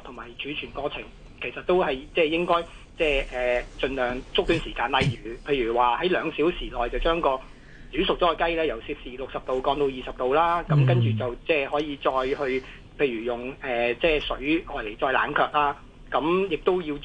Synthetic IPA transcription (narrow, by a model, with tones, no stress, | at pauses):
t̪ʰʊ˨˩maː˨˩jt͡ʃyː˨˥t͡ʃʰyː˨˩nkɔː˧t͡sʰɪ̰˨˩ŋ | kʰe˨˩jsɐ˨t̚t̪o˥whɐ˨jt͡sɛː˥jɪ˥ŋkɔː˥j | t͡sɛː˥˩ʔɛː˨˩t͡ʃɵ˧nlœː˨ŋt͡sʊ˥k̚t̪yː˧nsiː˨˩kaː˧nlɐ˨jjyː˨˩pʰe˧jyː˨˩waː˨˩hɐ˨˥jlœː˨˧ŋsiː˨˥wsiː˨˩lɔː˨jt͡sɐ˨wt͡ʃœː˥ŋkɔː˧ | t͡syː˨˥sʊ˨k̚ɔː˨˥ɔ˧kɐ˥jlɛː˥jɐ˨˩wsiː˧˥p̚siː˨˩lʊ˨k̚sɐ˨p̚t̪o˨wkɔː˧ŋt̪o˧wjiː˨˩sɐ˨p̚t̪o˨wlaː˥kɐ˨˦mk̬ɐ˥nt͡ʃyː˨˩t͡sɐ˨wt͡sɛː˥hɔː˨˥jiː˨˧t͡sɔː˧jhɵ˧ | pʰe˧jɥyː˨˩jʊ˨˩ŋɛː˨˩t͡sɛː˥˩sɵ˨˥ɥʔɔː˨˧jle˨˩jt͡sɔː˧jla̰ː˨˥nkʰœː˧k̚laː˥ | kɐ˨˥mjɪ˨k̚t̪o˥wjiː˧w